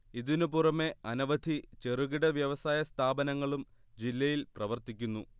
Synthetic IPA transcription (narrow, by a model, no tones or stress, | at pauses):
iðinupurɐme̞ɐnɐʋɐd̪ʱit͡ɕe̞ruɣiɽɐʋjɐʋɐsaːjɐst̪ʰaːbɐnɐŋːɐɭum | d͡ʑilːɐjilprɐʋɐrt̪ikʲːunːu